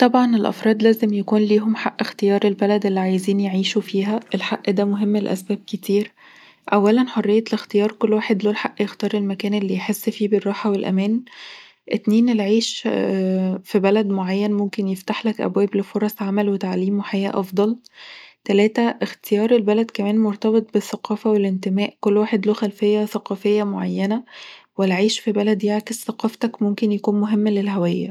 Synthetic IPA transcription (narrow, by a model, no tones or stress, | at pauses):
t̪ˤɑbʕɑnelʔɑ̰fɾˤɑːd̪ˤlæːzemjækuːnliːɦomħaʔːext̪ejɑːɾˤelbælæd̪ʔelːiʕajziːnjeʕiːʃufiːɦæʔelħaʔːd̪æːmoɦemːelʔæ̰sbæːb̚ket̪iːɾ | ʔæwːælænħorˤːejːɑlext̪ejɑːɾˤkolːwaːħed̪loːlħaʔːjext̪ɑːɾˤelmækæːnelːijħesːfiːberˤːɑːħɑwelʔæ̰mæːn | ʔet̪neːnelʕiːʃ | fibælæd̪moʕajːænmomkenjeft̪aħlækʔæ̰bwæːblefoɾˤɑsʕamælwet̪aʕliːmweħajæːʔɑfd̪ˤɑlt̪ælæːt̪æʔext̪ejɑːɾˤelbælæd̪kæmæːnmoɾˤt̪ɑbet̪ˤbeθːæqɑːfæwelent̪emæːʔkolːwaːħed̪loːxælfejːæθæqɑːfejːæmoʕajːænæwelʕiːʃfibælæd̪jeʕkezθæqɑːft̪ɑkmomkenjækuːnmoɦemːlelɦæwæjːæ̰